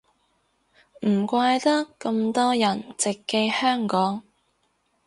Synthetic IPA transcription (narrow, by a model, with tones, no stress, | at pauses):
m̩˨˩kʷaː˧jt̪ɐ˥kːɐ˧mt̪ɔː˥jɐ˨˩nt͡sɪ˨kːe˧jhœː˥ŋkɔː˨˥ŋ